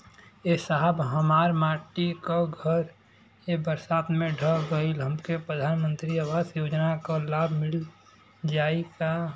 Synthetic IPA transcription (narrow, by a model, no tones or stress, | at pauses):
esaɦəbɦəmaːɾmaːʈikoɡʱəɾ | ebəɾsaːt̪mẽɖʱəɡəilɦəmkepɾəd̪ʱaːnmə̃nt̪ɾiaʋaːsjoːd͡ʒnakalaːbʱmɪl | d͡ʒaːika